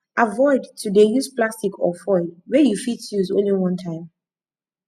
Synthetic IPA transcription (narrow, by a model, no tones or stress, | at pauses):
avɔɪdtʰudejusplastikʰɔfɔɪwɛjufittjuzõ̰nliwʌ̃ntʰãɪ̃m